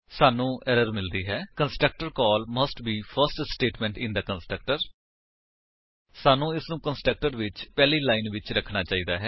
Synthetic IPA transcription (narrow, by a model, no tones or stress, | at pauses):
saːnũːʔɛːɾəɾmɪld̪iːɦɛːkənsʈɾək̚ʈəɾkɔːlməsʈbiːpʰəɾsʈsʈeːʈmɛ̃ːɳʈɪ̃nd̪əkənsʈɾək̚ʈəɾ | saːnũːɪsnũːkənsʈɾək̚ʈəɾʋɪt͡ʃpɛːliːlaːinʋɪt͡ʃɾəkʰnaːt͡ʃaːiːd̪aːɦɛː